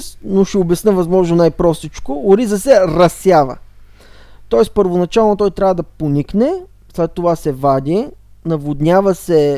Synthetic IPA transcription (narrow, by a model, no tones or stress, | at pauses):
snoʃɛobɛsnəvɐzmɔʒnonajpɾɔst̪it͡ʃkoːɾizəsɛɾɐsjavə̰ | t̪ɔɛspəɾvonɐt͡ʃalˠnot̪ɔjt̪ɾʲavəd̪ɐponiknɛ | slɛt̪ːovasɛvad̪ʲinɐvod̪nʲavɐsɛ